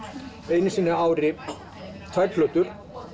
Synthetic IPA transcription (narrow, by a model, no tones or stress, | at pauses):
eːjnɪsiːnːɪaːwɾɪ | t̪ʰajɾt̪flœːt̪ʏɾ̥